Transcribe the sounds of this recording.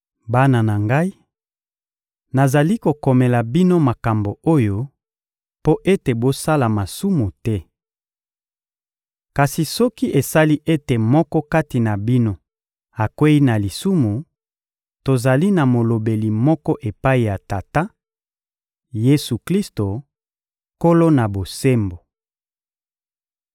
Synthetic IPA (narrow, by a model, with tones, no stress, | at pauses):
ba˦na˨na˨ŋɡa˦i˦ | na˨za˨li˦ko˨kɔ˨mɛ˨la˨bi˦no˦ma˨ka˨mbo˨o˦jo˦ | po˦ʔe˦te˨bo˦sa˦la˨ma˨su˦mu˨tɛ˦ | ka˨si˨sɔ˦ki˦ʔe˨sa˦li˦ʔe˦te˨mɔ˦kɔ˦ka˦ti˨na˨bi˦no˦ | a˨kwe˦i˦na˨li˨su˦mu˨ | to˨za˨li˦na˨mo˨lo˨be˨li˨mɔ˦kɔ˦ʔe˨pa˦i˨ja˨ta˨ta˦ | je˦su˨kli˦sto˨ | ko˦lo˦na˨bo˨se˦mbo˨